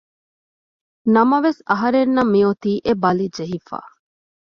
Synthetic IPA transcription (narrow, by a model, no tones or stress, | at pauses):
nɐmɐʋesɐɦɐɾenːɐmːiot̪iːʔebɐlid͡ʒeɦifa̰ː